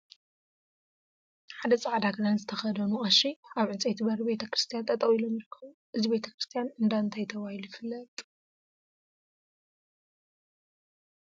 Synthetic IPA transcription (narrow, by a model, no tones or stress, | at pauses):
ħad̪ɐt͡sʼaʕd̪aɡɨnanzɨt̪ʰɐxɐd̪ɐnuχʼaʃiaβʕɨt͡sʼejt̪ʰibɐɾibe̞t̪ʰɐkɾɨst̪ʰijant̪ʼʰɐt̪ʼɐwilomjiɾkʰːɐβuʔɨzibe̞t̪ʰɐkɾɨst̪ʰijanɨnd̪aɨnt̪ʰajt̪ʰɐβahilujɪfɨlːɐt̪ʼ